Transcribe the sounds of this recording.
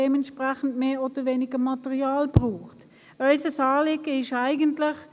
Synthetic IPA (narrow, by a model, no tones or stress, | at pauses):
ɛmɛntʃpʁaχn̩tmeːoːd̥əʋeːnɪɡəmɑtəʁiaːlbʁuːχt | œʏsəsɑːlɪɡəɪʃaɪɡəntlɪχ